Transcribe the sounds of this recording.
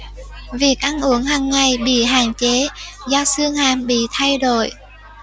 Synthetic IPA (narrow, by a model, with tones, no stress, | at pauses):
vi˨˩ək̚ʔa˧nʔu˧˩əŋɦaː˨˩ŋːa˨˩jɓḭ˧˨ɦa̰ː˧˨ŋt͡ɕe˨˦zɔː˧sɨ˧əŋhaː˧˩mɓḭ˧˨t̪ʰa˧jɗo̰˧˨j